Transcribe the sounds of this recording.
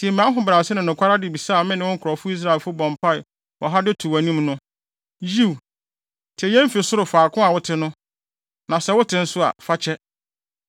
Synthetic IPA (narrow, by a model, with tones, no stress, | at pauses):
di˨ɛ˨mĩ˨a˦ɦʊ̃˨bɾa˨sɪ˦nʊ̃˨nʊ̃˨kʷʰa˦ɾa˦dɪ˨bi˨sa˦˨mɪ̃˦nɪ̃˦wʊ̃˦kʰʊ˨ɾɔ˨fʊ˦i˦s̬ɾa˦˨lfʊ˦bɔ̃˨mpʰa˦ɪ˨ | wɔ˨ɦa˦dɪ˦tʰu˨wæ˨nĩ˦mnʊ̃˦ | ji˦˨w | tʰɛ˨jɛ̃˦m˦fi˨sʊ˦ɾʊ˨faː˨kʰʊ̃˦a˨wʊ˦tʰɪ˦nʊ̃˦ | nã˨sɛ˦wʊ˦tʰɪ̃˦n̩˦sʊ˦a̰˨fa˦t͡ɕʰɛ˦